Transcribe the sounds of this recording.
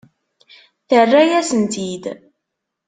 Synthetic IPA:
θərːæjæsənt̪id̪

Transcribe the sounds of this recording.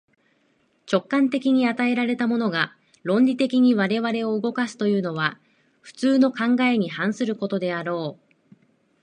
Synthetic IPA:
t͡ɕo̞kːãnt̪e̞kʲiɲ̟iat̪ae̞ɾaɾe̞t̪amo̞no̞ɡa | ɾõ̞nʲɾʲit̪e̞kʲiɲ̟iβaɾe̞βaɾe̞o̞ɯɡo̞kasɨ̥t̪o̞jɯ̟ːno̞β̞a | ɸɯ̟̥t͡sɨːno̞kãŋɡae̞ɲ̟ihãɰ̃sɨɾɯ̟ko̞t̪o̞d̪e̞aɾo̞ː

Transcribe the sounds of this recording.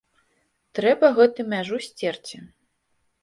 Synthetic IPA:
t̪ɾɛbɐɣɛt̪ɨmʲaʐusʲt͡sʲɛrt͡sʲi

